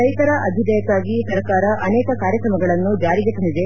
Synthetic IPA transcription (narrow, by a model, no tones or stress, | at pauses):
ɐjt̪ɐɾɐʔɐd̪ʱid̪ɐjɐk̪ːaːɡisɐɾkaːɾɐʔɐnɛːkɐkaːɾjɐkɾɐmɐɡɐɭɐnːud͡ʒaːɾiɡ̪eɦoɳd̪id̪e̞